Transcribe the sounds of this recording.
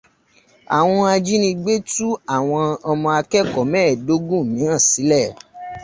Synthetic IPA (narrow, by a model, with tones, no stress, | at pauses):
a̰˨w̃ɔ̃˧a˧d͡ʒi˦nĩ˧ɡ͡be˦tu˦a˦˨w̃ɔ̃˧ɔ˧mɔ̃˧a˧kɛ˦˨kɔ˨mɛ̃˦˨do˨˦ɡũ˦˨mĩ˨˦ɾ̃ã˦˨si˨˦lɛ˦˨